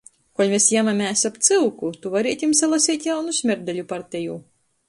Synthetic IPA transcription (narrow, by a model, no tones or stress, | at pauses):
kɔlʲmʲesjæmamʲæːsapt̪sɨwkut̪uvaɾʲiɛt̪ʲimsalˠasʲiːt̪ʲjawnusʲmʲɛɾd̪ʲɛlʲupaɾt̪ʲɛjuː